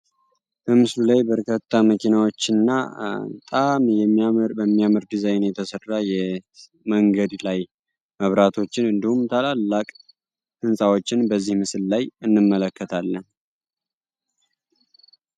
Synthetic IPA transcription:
b̥əmɨslulajbəɾkʰət̪ʰːaməkʰinawo̞t͡ʃːɨnːa̰ət̪ʼamjɛmːbəmːiamɨɾd̪izajnjɛt̪ʰəsərːajɛ | məŋɡəd̪laj | məβɾat̪ʰo̞t͡ʃːɪnɨnd̪ihumt̪ʰalalːakʼ | ɨnsʼawo̞t͡ʃːɪnbəzːihmɨsɨllajɨnːɨmːələkːət̪ʰalːən

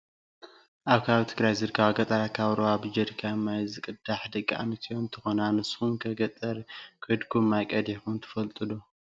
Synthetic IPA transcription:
ʔaβkʰaβit̪ʰɨɡɾajzɨɾkʰaβaɡɐt̪ʼaɾat̪kʰaβɾoaβɨd͡ʒɐɾkʰamːajzɨkʼɨd̪aħd̪ɐkʼːia̰mɐt̪ʰijont̪ʰɨ̥xonanɨshumkʰɐɡɐt̪ʼɐɾkʰɨd̪kʰumːajkʼɐd̪ixunt̪ʰɨ̥fɐlt̪ʼɨd̪o

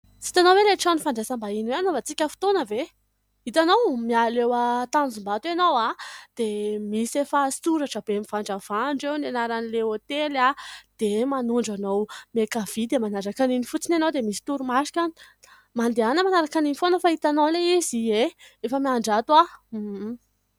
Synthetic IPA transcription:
si̥t̪anoweɾeʈ͡ʂanifaɳɖ͡ʐesambainweanovat͡sikʲəfi̥t̪onəve | it̪anowmialewət̪anzumbat̪anowad̪̥emisefastuɾaʈ͡ʂəbemiv̥aɳɖ͡ʐəv̥aɳɖ͡ʐewnenaɾanileot̪elad̪̥emanuɳɖ͡ʐanowmekav̥id̪emanaɾakaninifut͡sinanowd̪emisi̥t̪uɾumaʃi̥kʲani̥ | mand̪eanəmanaɾakaninifonəfait̪anowleizieefəmiaɳɖ͡ʐat̪wa

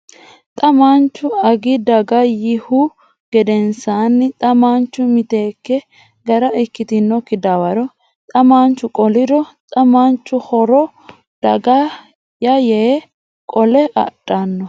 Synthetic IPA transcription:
t̪ʼɐmant͡ʃːʊɐɡɪd̪ɐɡɐjɪhʊ | ɡ̥ɛd̪ɛnsaːnːɪt̪ʼɐmaːnt͡ʃːʊmɪt̪eːkːɛ | ɡɐɾɐɪkːɪt̪ɪnːɔkːɪd̪awɐɾɔ | t̪ʼɐmaːnt͡ʃːʊkʼɔlɪd̪ɔt̪ʼɐmaːnt͡ʃːʊhɔɾɔ | d̪̥ɐɡɐ | jɐjeː | kʼɔlɛʔɐ̰ᶑʼːanːɔ

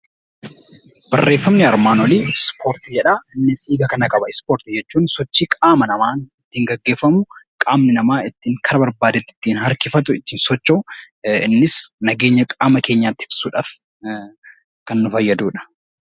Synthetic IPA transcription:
b̥ɐrːe̞ːfːɐmnɪɐɾmaːnɔliːspʰoːɾt̪ɪd͡ʒɛᶑaːɪnːɪsiːɡɐkɐnɐkʼɐbɐɪspoːɾt̪ɪd͡ʒɛt͡ʃːuːnsɔt͡ʃːiːkʼaːmɐnɐmaːnɪt̪ːiːŋɡɐɡːe̞ːfːɐmʊkʼaːmnɪnɐmaːɪt̪ːiːŋkʰɐɾɐbɐɾbaːd̪ɛt̪ːɪ̥t̪ːiːnɦɐɾkɪfɐt̪ʊɪt̪ːiːnsɔt͡ʃːoː | ɪnːɪsnɐɡe̞ːɲːɐkʼaːmɐke̞ːɲːaːt̪ːɪb̥suːᶑaːf | kɐnːʊfɐjːɐd̪uːᶑɐ̥

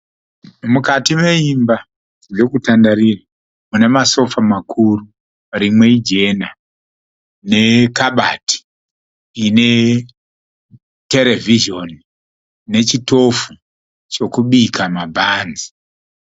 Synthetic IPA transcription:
mukatime̞imba | ro̞kutandaɾira | mune̞maso̞famakʰuru | ɾimwe̞id͡ʒe̞na | ne̞kaɓati̥ | ine̞ | te̞ɾe̞vʱiʒo̞n | ne̞t͡ʃito̞fu | t͡ʃo̞kuɓikʰamabʱaːnzi̥

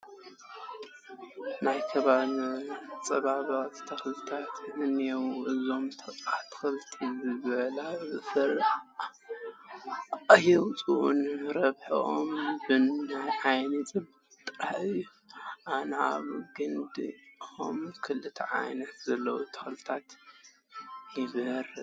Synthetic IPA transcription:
najkʰɐβalt͡sʼɐβaβat̪t̪ʰɐxlt̪ʰat̪ʔɨnijɛwɨzo̞mt̪ʰɐsʼat̪ʰɨ̥xɨlt̪ʰizɨβɐlazɨsɨɾ | ajɛwt͡sʼuʔunɾɐβħiʔo̰mbɨnːajʕajnɨt͡sʼɨb | t̪ʼɾaħɨɨjːu | ʔanaβɡɨnd̪ɨxomkʰɨlɨt̪ʰɐ̰ʕa̰jnɐt̪zɐlːɐwut̪ʰɐ̥xlɨt̪ʰat̪ | jɨβɨɾ

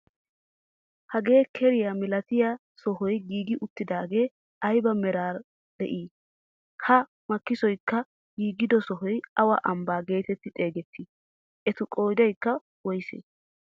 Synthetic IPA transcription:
hɐɡe̞ːkʰɛɾɪjɐmɪlɐt̪ɪjɐ | sɔɦɔjɡiːɡɪʔʊt̪ːɪd̪aːɡe̞ː | ɐjbɐmɛɾaːɾ | d̪̥ɛ̰ʔiː | hɐ | mɐkːɪsɔjkːɐ | ɡiːɡɪd̪ɔsɔɦɔjɐwɐʔɐmbaːɡe̞ːt̪ɛt̪ːɪt̪ʼe̞ːɡɛt̪ʰːɪ | ʔɛt̪ʊkʼo̞ːd͡ʒɐjkːɐ | wɔjsḛ

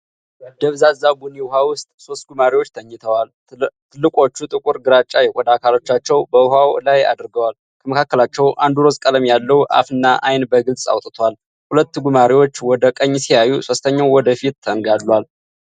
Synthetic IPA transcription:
d̪̥əβzazaɡuniwʊhawʊst̪ʼso̞st̪̚ɡumaɾiwot͡ʃːt̪ʰəɲːɨt̪ʰəwal | t̪ʰɨlːɨkʼo̞t͡ʃːut̪ʼɨkʼuɾɡɨɾat͡ʃʼːajɛkʼɔd̪akʰalo̞t͡ʃːat͡ʃːɛwbəhawlaja̰d̪ɾɡəwal | kʰəməkʰakːəlat͡ʃːɛwʔand̪uɾo̞skʼələmjalːəwʔa̰fɨnːaʔajnbəɡɨlsʼa̰wt̪ʼt̪ʰwal | hulət̪ːɡumaɾiwo̞t͡ʃːwɔd̪əkʼəɲːsijajuso̞st̪ʰəɲːawwɔd̪əfit̪ːʰəŋɡalːwal

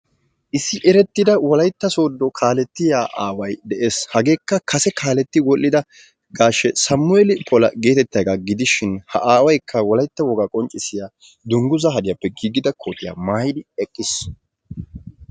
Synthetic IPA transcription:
ʔɪsːɪʔɛɾɛt̪ːɪd̪ɐwɔlɐjt̪ːɐso̞ːd̪ːɔkʰaːlɛt̪ːɪjaːʔaːwɐjd̪ɛʔeːshɐɡe̞ːkːɐkɐsɛkaːlɛt̪ːɪwɔlʔːɪd̪ɐ | ɡaːʃːɛsɐmːʊɛlɪpʰɔlɐɡe̞ːt̪ɛt̪ːɐjɡaɡɪd̪ɪʃɪnhɐ̰ʔaːwɐjkʰːɐwɔlɐjt̪ːɐwɔɡakʼɔnt͡ʃʼɪsɪja | d̪ʊŋɡʊzɐɦɐd̪ɪjapːɛɡiːɡɪd̪ɐkʰo̞ːt̪ɪja̰ːmaːjd̪ɪɛkʼːɪs

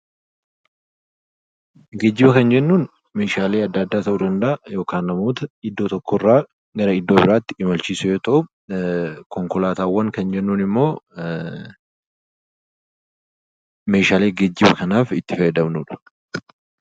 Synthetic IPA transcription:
ɡɛd͡ʒːɪbɐkɐnd͡ʒɛnːuːn | me̞ːʃaːle̞ːɐd̪ːɐd̪ːaːt̪ɐʔud̪ɐnd̪ɐʔɐjo̞ːkaːnːɐmoːt̪ɐɪd̪ːo̞ːt̪ɔkːɔrːaː | ɡɐɾɐɪd̪ːoːbɪɾaːt̪ːɪɪmɐlt͡ʃiːsʊjoːt̪ɐʔu | kɔŋkɔlaːt̪aːwːɐŋkɐnd͡ʒɛnːuːnɪmːo̞ː | me̞ːʃaːle̞ːɡɛd͡ʒːɪbɐkɐnaːfɪt̪ːɪfɐjɐd̪ɐmnuːᶑɐ̥

